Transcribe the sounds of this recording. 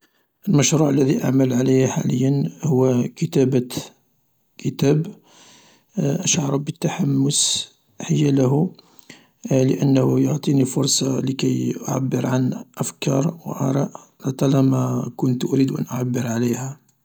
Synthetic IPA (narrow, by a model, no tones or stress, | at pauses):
ʔəlməʃɾuʕəlːæðiʔa̰ʕməlʕaləjhħa̰ləjːənhʊwːkət̪æb | kʰət̪æb | ʔəʃʕɑɾˤɑbət̪ːaħamːʊs | ħəjæləɦu | ləʔənːhjoʕt̪ˤinifʊɾˤsˤɑləkæjʔʊ̰ʕa̰bːəɾʕanʔəfkɑɾˤw̰ʔɑ̰ɾˤɑʔ | lɑt̪ˤɑlɑmækʊnt̪ʔʊɾid̪uʔæ̰nʔʊʕabːəɾʕaləjhæ